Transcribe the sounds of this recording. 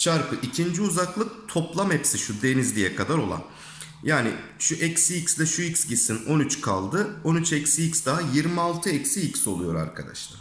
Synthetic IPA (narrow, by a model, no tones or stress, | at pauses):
t͡ʃʰaɾpʰɯʔicʰind͡ʒiuzaklˠɯk̚t̪ʰo̞plˠamɛpsiʃud̪e̞nizlʲijɛkʰad̪aɾo̞lˠa̰n | jaːnɪʃuʔɛcsiicslʲɛʃuicsɟisino̞nyt͡ʃkʰa̰lˠd̪ɯo̞nyt͡ʃʰɛcsiicsd̪aɦajiɾmialˠt̪ʰɯɛcsiicso̞lˠujo̞ɾa̰ɾkʰad̪a̰ʃlˠa̰ɾ